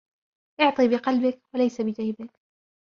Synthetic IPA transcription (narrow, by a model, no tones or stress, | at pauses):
ʔʊʕt̪ˤiːbɪqɑlbɪkwalajsabɪd͡ʒahɪbɪk